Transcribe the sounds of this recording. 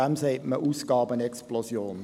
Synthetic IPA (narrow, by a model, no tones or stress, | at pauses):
amseːməʔuːsɡ̥ɑːbəənɛksplosjoːn